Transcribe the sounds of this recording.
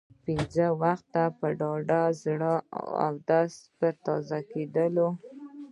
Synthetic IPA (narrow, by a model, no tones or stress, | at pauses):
pinzəwaxt̪ːapəɖɑɖazɽəa̰wd̪aspəɾt̪ɑzaked̪əlo